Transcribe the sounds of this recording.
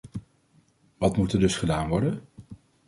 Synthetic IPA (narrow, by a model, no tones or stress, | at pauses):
ʋɑtmutədɵsχədaːnʋɔɹdən